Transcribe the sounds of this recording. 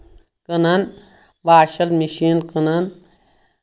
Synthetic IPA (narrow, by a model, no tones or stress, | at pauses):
kɨnɐn | ʋaːʃɐlmiʃiːnkɨnɐn